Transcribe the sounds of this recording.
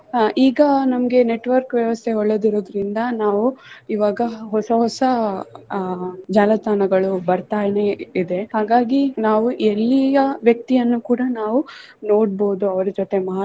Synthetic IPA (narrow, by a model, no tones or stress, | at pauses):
ʔiːɡɐnɐmɐɡe̞ne̞ʈʋɐɾkʋjɐʋɐst̪ʰeɔɭːed̪iɾoːd̪ɐɾind̪ɐnaːʋuiʋaːɡɐɦɔsɐɦɔsɐ | d͡ʒaːlɐst̪aːnɐɡɐɭubɐɾt̪aːjneid̪e̞haːɡaːɡinaːʋuʔelːijɐʋjɐk̚t̪ijɐnːukuːɽɐnaːʋu | no̞ːɽboːd̪uɐʋɐɾɐd͡ʒot̪e̞mɐ